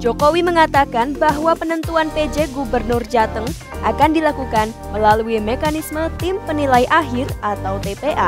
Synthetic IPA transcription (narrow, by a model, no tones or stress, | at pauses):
d͡ʒokowiməŋat̪akanbaɦwapənənt̪uanped͡ʒeɡubərnʊrd͡ʒat̪əŋ | ʔakandilakukanməlaluimekanismət̪ɪmpənilaiʔaɦɪrʔat̪awt̪epeʔa